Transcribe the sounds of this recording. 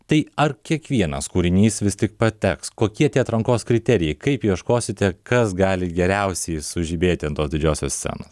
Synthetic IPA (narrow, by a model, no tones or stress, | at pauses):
t̪ɐɪɐɾkʲiɛkʋʲiɛnɐskuːɾʲɪnʲiːsʋʲɪsʲt̪ʲɪk̚pɐt̪ʲɛkskoːkʲiɛt̪ʲiɛɐt̪ɾɐŋkoːskɾʲɪt̪ʲɛɾʲɪjɛɪkɐɪpjiɛʃkoːsʲɪt̪ʲɛkɐsɡɑːlʲɪɡʲɛɾʲɛʊsʲɛɪsʊʒʲiːbʲeːt̪ʲɪɪnt̪oːsd̪ʲɪd͡ʒʲoːsʲoːsʲsʲɛ̰noːs